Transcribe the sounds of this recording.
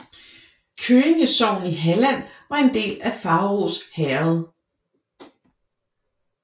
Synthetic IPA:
kʰøːeŋəsɒʊ̰n̩iɦælæn̰ʋɑ̈e̝nd̥e̝̰ːlæfɑ̈ʊʁoshɛɐð̩ˠ

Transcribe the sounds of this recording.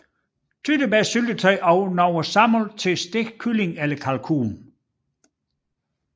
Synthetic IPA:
t͡sʰyd̥əbæsyld̥ət͡sʰʁɛɪʔɒʊnɒʊɐsɑ̈molt͡sʰe̝sd̥eɡ̥kʰːyle̝ŋeləkʰælkʰṵːn

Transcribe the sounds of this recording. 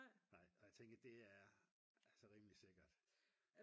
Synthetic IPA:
ɑ̈ɪ̰ɒ̽jäɪt͡sʰeŋ̰ɡ̥ɐd̥e̝æɐ | æsɒ̽ʁimlise̝ɡ̥ɐd̥

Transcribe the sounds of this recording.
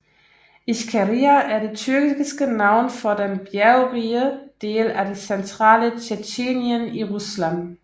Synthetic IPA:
ʔiskʰæʁiæʔæɐɾe̝t͡sʰyɐɡ̥iɡ̥isɡ̥ənɑ̈ʊ̰nfɒd̥enb̥jæʊʁiːəd̥e̝̰ːlæde̝sent͡sʰʁɑ̰̈ːlət͡ɕʰet͡ɕeːnjəniʁuslæn

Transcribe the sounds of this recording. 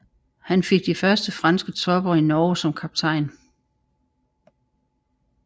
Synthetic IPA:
hænfe̝ɡ̥̚d̥ifɶɐsd̥əfʁɑnsɡ̥ət͡sʰɒ̽b̥ɐinɒːʊsɒ̽mkʰɑ̈b̥̚t͡sʰɑ̈ɪ̰n

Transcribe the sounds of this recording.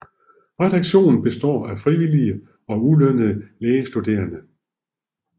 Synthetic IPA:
ʁɛd̥ɑ̈ɡ̥ɕo̝̰ːnn̩b̥e̝sd̥ɒ̰ːæfʁiʋiliə | ɒ̽ulønəðˠəleːəsd̥ud̥e̝̰ːɐnə

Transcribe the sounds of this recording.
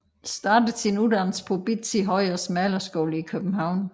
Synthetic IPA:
sd̥ɑ̈ːd̥əð̩ˠsinud̥ænspʰɔb̥id̥siɦɒɪɒsmælɐsɡ̥ɔːləikʰøb̥m̩ɦɑ̈ʊ̰n

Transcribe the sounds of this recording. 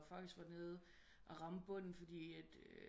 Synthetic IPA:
fɑ̈ɡ̥d̥isɡ̥ʋæɐne̝ːð̞ˠ | ʔɒʁɑ̈məb̥ɔ̽n̰n̩fɒ̽d̥ḭːæd̥

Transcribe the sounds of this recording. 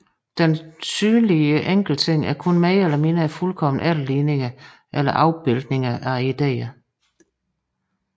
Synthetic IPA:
d̥ensyːnliəʔeŋ̰ɡ̥l̩t͡sʰe̝ŋ̰æɐkʰɔnmæɪelɐme̝nəæfulkʰɒ̽m̰n̩ʔælliːne̝ŋɐ | ʔelɐʔɑ̈ʊb̥e̝ld̥ne̝ŋɐʔæid̥ḛːɐ

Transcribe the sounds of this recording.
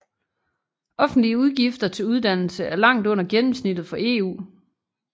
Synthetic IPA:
ɒ̽fn̩d̥liəuð̞ˠɡ̥ifd̥ɐt͡sʰe̝luð̞ˠd̥æn̰l̩səæɐlɑ̈ŋ̰d̥ɔ̽n̰ɐɡ̥enm̩snid̥ð̩ˠfɒ̽e̝̰ːṵː

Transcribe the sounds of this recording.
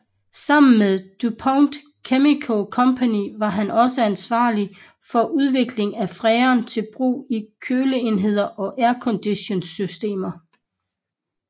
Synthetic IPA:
sɑ̈m̰n̩meðˠd̥upʰɒʊnd̥ | kʰemikʰokʰɒ̽mpʰæniʋɑ̈ɦænʔɒ̽səænsʋɑ̰̈ːli | fɒ̽ʔuð̞ˠʋe̝ɡ̥le̝ŋæfʁɛːɐːnt͡sʰe̝lb̥ʁṵːikʰøːləe̝nɦe̝ð̞̰ˠɐʔɒ̽ʔæɐkʰɒ̽nd̥iɕo̝nsysd̥e̝̰ːmɐ

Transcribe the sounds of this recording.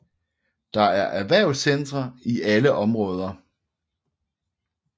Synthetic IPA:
d̥ɑ̈æɐʔæʋæɐ̰ʊsend̥ʁɐiʔæləʔɒ̽mʁɔ̽ːð̞ˠɐ

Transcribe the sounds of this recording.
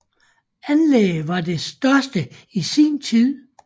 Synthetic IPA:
ænleɡʋɑ̈d̥e̝sd̥ɶɐsd̥əisiːnt͡sʰið̞̰ˠ

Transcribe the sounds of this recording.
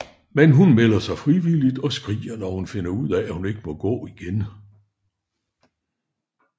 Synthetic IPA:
menɦunmel̰ɐsɑ̈ɪfʁiʋilid̥ɒ̽sɡ̥ʁḭːɐnɒhunfe̝nɐuð̰ˠɛæhune̝ɡ̥əmɒ̽ɡ̥ɔ̰̽ːiɡ̥en

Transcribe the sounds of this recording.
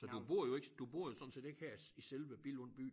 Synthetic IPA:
sɒd̥ub̥o̝ɐ̰joe̝ɡ̥d̥ub̥o̝ɐ̰jo̝sɒ̽nse̝̰ːd̥e̝ɡ̥hæɐ̰iselʋəb̥ilɔ̽n̰b̥y̰ː

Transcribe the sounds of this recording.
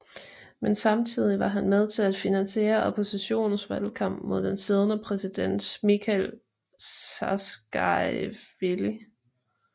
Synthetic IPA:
mensɑ̈mt͡sʰið̞̰ˠiʋɑ̈ɦænmeð̞ˠt͡sʰe̝læd̥finænse̝̰ːɐɒ̽pʰo̝siɕo̝̰ːnn̩sʋælkʰɑ̈m̰b̥mo̝ð̞̰ˠd̥ense̝ð̞ˠnəpʰʁɛsid̥en̰d̥mikʰæl | sɑsɡ̥ɑɪʋeli

